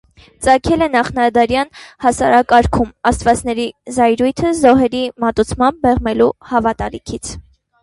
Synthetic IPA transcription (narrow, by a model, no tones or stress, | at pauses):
t͡sɑkʰɛlɛnɑχnɑd̪ɑɾjɑnhɑsɑɾɑkɑɾkʰumɑst̪vɑt͡snɛɾizɑjɾujt̪ʰəzɔɦɛɾimɑt̪ut͡sʰmɑmb̚ːɛʁmɛluhɑvɑt̪ɑlikʰit͡sʰ